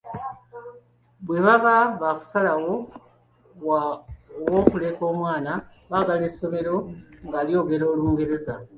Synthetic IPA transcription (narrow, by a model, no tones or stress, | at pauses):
βwe̞βaβaβaːku̥salawo | woːkule̞ːko̞ːmwaːna | βaɡale̞so̞me̞ɾo̞ŋɡaːljo̞ːɡe̞ɾo̞ːluːŋɡe̞ɾe̞za